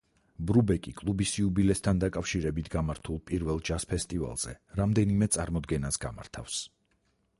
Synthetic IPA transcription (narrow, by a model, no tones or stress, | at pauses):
bɾubɛkʼikʼlˠubisiubilɛst̪ʰand̪akʼafʃiɾɛbit̪ʰɡamaɾt̪ʰulˠpʼiɾvɛlˠd͡ʒaspʰɛst̪ʼiva̰lˠz̥ɛ̰ɾamd̪ɛnimɛt̪sʼaɾmɔd̪ɡɛnasɡama̰ɾt̪ʰa̰fs